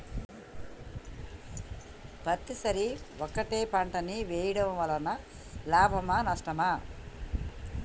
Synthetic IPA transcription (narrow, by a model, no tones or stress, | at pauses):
pɐt̪ːisɐɾiɔkːɐʈeːpɐɳʈɐniʋɛːjɐɽɐmʋɐlɐnɐ | laːbʱɐmanɐʂʈɐmaː